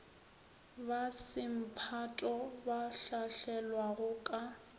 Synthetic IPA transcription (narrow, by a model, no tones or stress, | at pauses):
basɪm̩pʰatʼɔbaɬaɬɛlwaɣʊkʼa